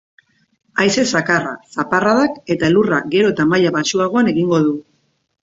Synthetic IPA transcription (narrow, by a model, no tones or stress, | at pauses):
ajse̞sakara̰saparaðake̞t̪aluraɡe̞ɾo̞et̪amaʎaβaʃuaɣ̞o̞ane̞ɣiŋɡo̞ð̞u